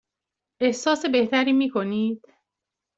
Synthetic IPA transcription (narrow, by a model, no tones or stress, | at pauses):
ʔe̞hsɒːse̞be̞ht̪ʰæɾiːmiːkʰo̞niːd̪̥